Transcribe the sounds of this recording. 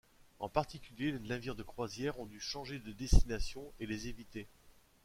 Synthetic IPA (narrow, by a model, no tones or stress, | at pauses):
ɑ̰̃paʁt̪ikʲyljelelɛ̃vjiʁd̪əkχwazjɛʁɔ̃d̪yʃɑ̃ʒed̪əd̪est̪inasjɔ̃elezevit̪e